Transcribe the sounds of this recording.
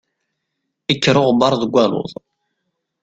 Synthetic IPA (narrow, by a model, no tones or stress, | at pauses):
ikːɾʊʁbɑɾˤðəɡʷælʊ̰ðˤ